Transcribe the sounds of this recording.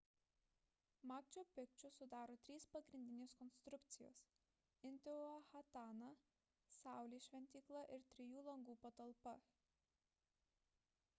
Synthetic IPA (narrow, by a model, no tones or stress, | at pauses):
mɑːkt͡ʃʲoːpʲɪkt͡ʃʲʊsʊd̪ɑːɾoːt̪ʲɾʲiːspɐɡɾʲɪnd̪ʲɪnʲeːskɔnst̪ɾʊkt̪sʲɪjo̰ːs | ɪnʲt̪ʲɛɐxɐt̪ɑːnɐ | sɑˑʊlʲiːʃʲʋʲɛnʲt̪ʲiːklˠɐʔɪɾt̪ʲɾʲɪjuːlˠɐŋɡuːpɐt̪ɐlˠpɐ